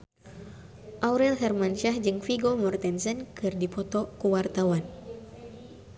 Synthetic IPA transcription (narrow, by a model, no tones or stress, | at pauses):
ʔawɾɛlɦɛrmanʃahd͡ʒɨŋfiɡɔmɔrt̪ɛnsɛnkɨrdipɔt̪ɔkuwart̪awan